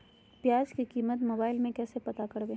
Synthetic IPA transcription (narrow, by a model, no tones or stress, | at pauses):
pjaːd͡ʒkikiːmət̪moːbaːɪlmẽkɛːsepɐt̪akɐɽbẽː